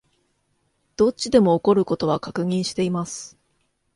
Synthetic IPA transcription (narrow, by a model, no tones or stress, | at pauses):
d̪̥o̞t͡ɕid̪e̞mo̞ːko̞ɾɯ̟ko̞t̪o̞β̞akakɯ̟ŋ̟ĩɰ̃ɕi̥t̪e̞imasɨ̥